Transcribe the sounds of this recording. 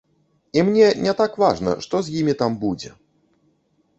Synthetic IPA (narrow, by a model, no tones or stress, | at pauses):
imnʲɛnʲɛt̪akvaʐnɐ̰ʂt̪ɔzʲjimʲit̪ambud͡zʲɛ̰